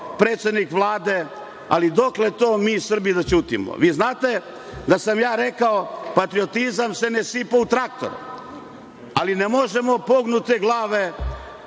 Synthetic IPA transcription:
pɾeːt̪sʲed̪nikʋlˠaːd̪e̞ | a̰lid̪o̞kle̞t̪o̞ːmiːsr̩bijd̪at͡ʃuːt̪ḭmo̰ʋiːznaːt̪e̞ | d̪asamjaːɾe̞kaopat̪ɾio̞t̪izamsenesipaut̪ɾak̚t̪o̞̰ɾṵ | alinemo̞ʒemopo̞ɡnut̪eɡlˠaːʋe

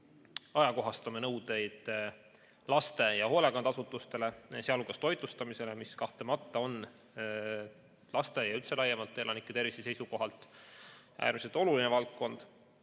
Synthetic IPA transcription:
ɑjɑko̞ɦɑst̪ɑmenɤwd̪e̞jd̪̥ | lɑst̪e̞jɑho̞lekɑnd̪̥ɑsut̪ːˑust̪e̞le̞seɑlukːɑst̪o̞jt̪ˑust̪ɑmise̞le̞miskɑht̪e̞mɑt̪ˑːɑo̞n | lɑst̪e̞jɑylt̪se̞lɑjːemɑlt̪ːˑelɑnikːˑet̪e̞rvisese̞jsuko̞ɦɑlt̪ːˑ | ʔæ̰ːɾmise̞lt̪ˑo̞lulinevɑlt̪̚ko̞nd̪̥

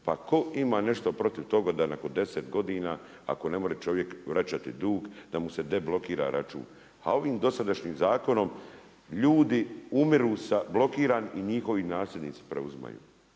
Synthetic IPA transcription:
pako̞imaːne̞ʃt̪o̞pɾo̞t̪iʋt̪o̞ɡad̪anako̞nd̪e̞set̪ɡo̞d̪iːnaː | a̰ko̞ne̞moɾet͡ʃo̞ʋje̞kʋɾat͡ɕat̪id̪uːɡd̪amuse̞d̪e̞blˠo̞kiːɾa̰ɾa̰t͡ʃṵːn | a̰o̞ʋiːmd̪o̞sad̪aʃɲiːmzaːko̞no̞m | ʎuːd̪iumiɾuːsablo̞kiːɾaːniɲixo̞ʋinaːslʎed̪ʲniːt̪si̥pɾeuzma̰jṵː

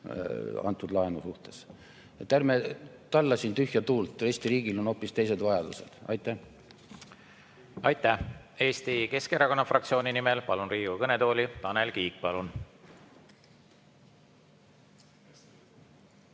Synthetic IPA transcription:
ɑ̰nt̪ːˑud̪lɑenusuht̪e̞s | et̪ːˑærmet̪ɑlːɑsint̪yhjɑt̪uːlt̪ˑre̞sʲt̪iɾiːɡilo̞no̞ːpːist̪e̞jse̞d̪vɑjɑd̪̥use̞̰d̪̥ɑ̰jt̪ːˑæh | ɑjt̪ːˑæhe̞ːst̪ike̞skeɾɑko̞nːɑfrɑkt̪sio̞ːnʲinimelpɑlunriːɡ̥ukɤne̞t̪o̞ːlʲit̪ɑnelkiːk̚pɑlun

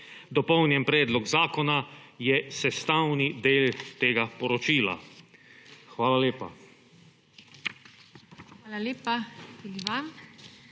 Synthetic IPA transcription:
d̪ɔpɔwnjɛnpɾɛːd̪lɔɡzaːkɔnajɛsɛst̪aːwnid̪eːlt̪eːɡapɔɾɔt͡ʃiːla̰ | xʋaːlaleːpa̰ | xʋaːlaleːpat̪iliʋam

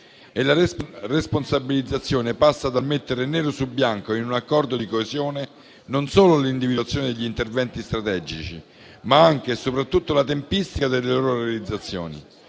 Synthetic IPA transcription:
elaresponsabilid̪zːat̪sːjoːnepasːad̪almet̪ːeɾeneːɾosulbjaŋkoinunakːɔrd̪od̪ikoezjoːne | nonsoːlolind̪ivid̪at̪sjoːned̪eʎːint̪ervɛnt̪ist̪ɾat̪ɛd͡ʒit͡ʃi | maaŋk̟esopɾat̪ːut̪ːolat̪empist̪ikad̪elːeloːɾoɾealid̪zːat̪sːjo̰ːnḭ

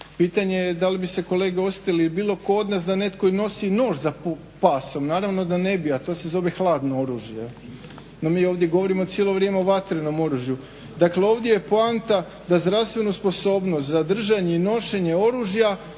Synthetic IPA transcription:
piːt̪aɲejed̪alibise̞ko̞le̞ːɡeo̞se̥t̪iliibiːlˠo̞ko̞o̞d̪nasd̪ane̞t̪koino̞sino̞ːʒzap | paso̞mnaːɾaʋno̞d̪ane̞biat̪ose̞zo̞ʋexlˠaːd̪noo̞ɾuːʒje | nomiːo̞ːʋd̪ʲje̞ɡo̞ʋo̞ɾimot̪sjelo̞ʋɾjemeoʋat̪ɾeno̞mo̞ɾuʒju | d̪akleo̞ʋd̪je̞jepoant̪a | d̪azd̪ɾaʋst̪ʋe̞nuspo̞so̞ːbnost̪zad̪r̩ʒaɲe̞ino̞ʃe̞ɲe̞o̞ɾuːʒja

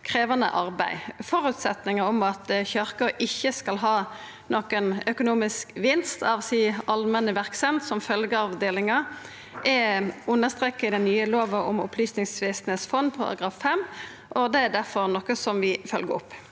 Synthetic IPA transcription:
kʰʁeːʋɑnə̰ʔɑʁbæɪfɔʁʉt̪sɛt̪nɪŋəɔmɑt̪çœʁkəɾɪçːəskɑlɦɑː | nʔɔkːənœkʊnuːmɪskʋɪnst̪ɑʋsiːʔɑlmɛnəʋæʁksɛnt̪sɔmfœlɡəɑʋd̪eːlɪŋɑ | ʔɛʊnːəʁst̪ʁeːkːəɪd̪ɛnːyːəloːʋəɔ̰mʊ̰pʰlyːsnɪŋsʋesnɛt̪sfɔnpʰɔɑ̰ɡɾɑfːɛmː | ʔɔd̪ɛæɾd̪æʁfɔɾnɔkːəsɔmʋɪfœlɡəʊ̰pː

